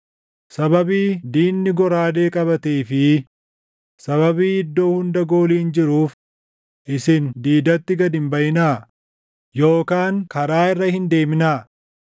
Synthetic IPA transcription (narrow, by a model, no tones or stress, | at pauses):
sɐbɐbiːd̪iːnːɪɡɔɾaːd̪e̞ːkʼɐbɐt̪eːfɪ | sɐβɐbiːɪd̪ːo̞ːhʊnd̪ɐɡo̞ːliːnd͡ʒɪɾuːf | ʔɪsɪnd̪iːd̪ɐt̪ːɪɡɐd̪ɪmbɐjɪnaː | jo̞ːkaːŋkɐɾaːɪrːɐhɪnd̪e̞ːmɪnaː